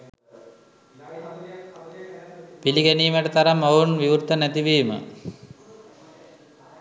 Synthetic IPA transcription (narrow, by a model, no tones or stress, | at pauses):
piliɡɛniːməʈət̪aɾɐmounʋiʋuɾt̪ːənæt̪iʋiːmə̰